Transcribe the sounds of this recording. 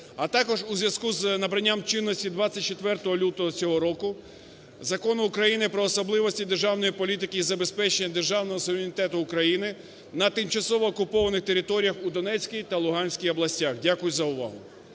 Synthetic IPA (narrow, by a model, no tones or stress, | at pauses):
ɐt̪ɑkɔʒuzʲʋjɐskuznɐbɾɐnʲːamt͡ʃɪnːɔsʲtʲid̪ʋat͡sʲːɐt̚ʲt͡ʃet̪ʋɛrt̪ɔɦɔlʲut̪ɔɦɔt͡sʲɔɦɔɾɔkʊ | zɐkɔnʊːkɾɐjinɪpɾɔːsɔblˠɪʋɔsʲtʲid̪erʒɑwnɔjipɔlʲit̪ɪkɪizɐbe̞spɛt͡ʃenʲːɐd̪e̞rʒɑwnɔɦɔsʊʋʲɪɾʲenʲit̪ɛt̪ʊːkɾɐjinɪ | nɐt̪ɪmt͡ʃɐsɔʋɔːkʊpɔʋɐnɪxt̪eɾʲɪt̪ɔɾʲijɐxud̪ɔnɛt͡sʲkʲijt̪ɐlˠʊɦɑnʲsʲkʲijɔblˠɐsʲtʲaxdʲakʊjʊzɐʊʋɑ̰ɦʊ